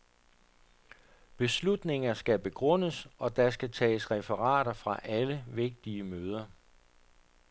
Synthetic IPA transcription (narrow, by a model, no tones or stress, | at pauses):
b̥e̝slud̥ne̝ŋɐsɡ̥æb̥e̝ɡ̥ʁɔ̽n̰əsɒ̽d̥ɑ̈sɡ̥æt͡sʰɛ̰ːsʁɛfəʁɑ̰̈ːɾ̥ɐfʁɑ̈ʔæləʋe̝ɡ̥̚d̥iəmøːð̞ˠɐ